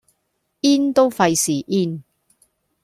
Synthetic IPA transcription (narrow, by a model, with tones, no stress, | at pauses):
iː˥nt̪o˥wfɐ˧jsiː˨˩ʔiː˥n